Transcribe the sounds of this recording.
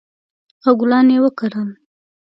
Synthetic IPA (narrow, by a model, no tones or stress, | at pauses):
aɡʊlɑnewəkaɾəl